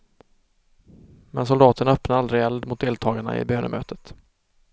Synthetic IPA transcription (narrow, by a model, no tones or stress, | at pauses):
mɛnsʊld̪ɑːt̪əɳœpnaald̪ɾɪɛld̪mʊt̪̚d̪eːlt̪ʰɑːɡaɳa̰ɪ̰bøːnə̰mʔø̰ːt̪ət̪